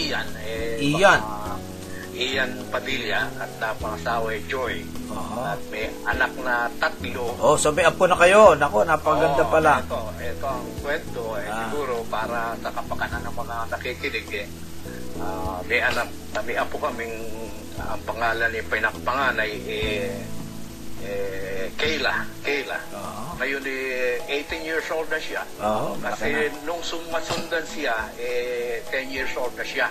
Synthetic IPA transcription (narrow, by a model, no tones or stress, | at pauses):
ijanɛijan | ʔijanpɐmiljaɐt̪̚nɐpɐŋɐsaːwajd͡ʒojoʔat̪̚mɛ | ɐnak̚nɐt̪at̪loʔosomɛʔɐponɐkɐjonɐko̞nɐpɐɡɐnd̪apɐlat̪oɛt̪oɐŋkwɛnt̪oɛsɪɡuːɾo̞paːɾasɐkɐpɐkananɐŋmɐŋanɐkiːkɪnɪɡɛ | ʔamɛʔɐnap̚ | ɐmɛʔɐpokɐmɪŋ | ɐ̰ŋpɐŋaːlɐnɪpɐjnɐkpɐŋaːnajʔɛ | ʔɛkɛjlakɛjla̰ | ŋɐjonɛʔejt̪ɪnjiɹsʔold̪̚nɐʃakɐsɛnʊŋsʊmmɐsʊnd̪ansɪjaʔɛt̪ɛnjiɹsʔold̪̚nɐʃa